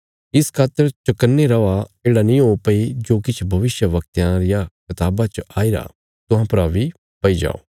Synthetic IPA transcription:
ɪskʰaːt̪əɾt͡ʃɐkənːeɾɐaeːɽanĩɦoːpɐid͡ʒoːkɪt͡ʃʰbʱɐʋɪsjəʋɐk̚t̪jãɾɪjakɐt̪aːbat͡ʃɐʔaːiɾa̰ː | t̪ʊɦãpɐɾaːʋi | pɐid͡ʒa̰ːo̰ː

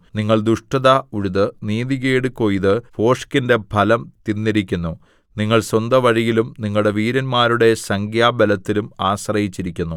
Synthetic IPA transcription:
niŋːɐɭd̪uʂʈɐðauɻuðɨniːðiɣeːɽɨkoːjðɨpo̞ːʂkinde̞bʱɐlɐmt̪inːiɾikʲːunːu | niŋːɐɭswɐnd̪ɐʋɐɻijilumniŋːɐɭɽe̞ʋiːɾɐnmaːɾuɽe̞sɐŋɡjaːbɐlɐt̪ːilumaːɕrɐjit͡ɕːiɾikʲːunːu

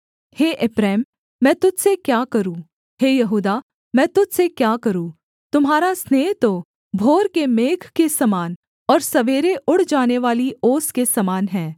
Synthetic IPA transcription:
heːʔɪpɾɛːmː | ɛ̃ːt̪ʊd͡ʒsekjaːkɐɾũ | heːjɐɦuːd̪a | mɛ̃ːt̪ʊd͡ʒsekjaːkɐɾũː | t̪ʊmɦaːɾasnɛːt̪o | bʱoːɾkemeːkʰkesɐmaːn | ɔːɾsɐʋeːɾeʔʊɽ̤d͡ʒaːneʋaːlioːskesɐmaːnɦɛ̃ː

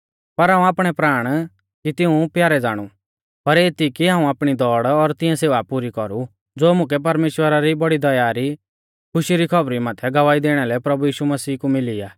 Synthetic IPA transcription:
pɐɾɦaːũaːpɽ̃ɛpɾaːɽ̃ | kit̪ɪũpjaːɾɛd͡zaːɽ̃u | pɐɾeːt̪ikiɦãːũaːpɽ̃id̪ɔːɽɔɾt̪ɪ̃ɛ̃seːʋapuɾikɔɾu | d͡zoːmʊ̃kɛp̬ɐɾmeːʃwəɾaɾibɐɽid̪ɐjaːɾi | kʰʊʃiɾikʰɐbɾimaːt̪ʰɛɡɐʋaːid̪eːɽ̃ɛlɛpɾɐbujiːʃumɐsiːkumɪliːaː

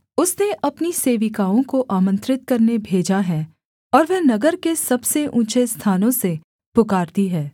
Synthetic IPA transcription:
ʊsneʔɐpniseːʋɪkaːõkoʔaːmə̃nt̪ɾɪt̪̚kɐɾnebʱeːd͡ʒaɦɛ̃ | ɔːɾʋɛnɐɡəɾkesɐbseʔũːt͡ʃest̪ʰaːnõse | pʊkaːɾt̪iɦɛː

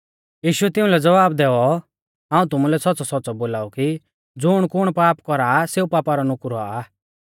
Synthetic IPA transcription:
jiːʃʊɛt̪ɪũlɛd͡zɐʋaːbd̪ɛːɔ | ɦãːũt̪ʊmulɛsɔtːt͡sɔsɔtːt͡sɔboːlaːɔki | d͡zʊɽ̃kʊɽ̃paːpkɔɾaːseːupaːpaɾɔnʊkɾaa

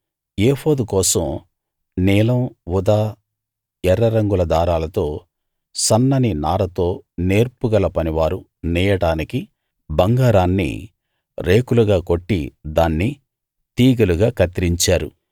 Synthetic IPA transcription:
eːhoːd̪ukɔːsɐm | nɛːlɐmʋud̪aː | ɛɾːɐɾɐŋɡulɐd̪aːɾaːlɐt̪o̞ː | sɐnːɐninaːɾɐt̪o̞ːne̞ːɾpuɡɐlɐpɐniʋaːɾu | nɛːjɐɽaːniki | bɐŋɡaːɾaːnːḭ | ɾe̞ːkuluɡaːko̞ʈːḭd̪aːnːi | t̪iːɡɐluɡaːkɐt̪iɾiɲt͡ʃaːɾṵ

